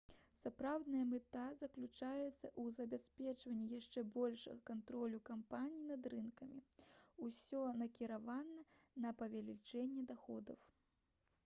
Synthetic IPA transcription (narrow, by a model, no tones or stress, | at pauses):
sapɾawd̪nɐjɐmɛt̪azɐklʲut͡ʂajɛt̪sːɐ̰ʔuzɐbʲasʲpʲɛt͡ʂvɐnʲːijaʂt͡ʂɛbɔlʲʂɐ̰ɣɐkant̪ɾɔlʲukampanʲijinɐd̪ɾɨnkɐmʲiusʲɔnɐkʲiɾavanɐnɐpɐvʲalʲit͡ʂɛnʲːɛd̪axɔd̪ɐw